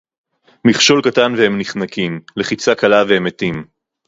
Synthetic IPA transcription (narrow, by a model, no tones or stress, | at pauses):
miχʃo̞lkat̪anvehemniχnakimle̞χit͡sakalaveemet̪im